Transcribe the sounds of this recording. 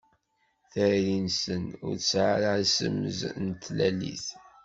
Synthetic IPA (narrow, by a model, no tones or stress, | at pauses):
θæɾinsənʊ̰ɾsʕaɾəʕsə̰mːəznt̪ːlælḭθ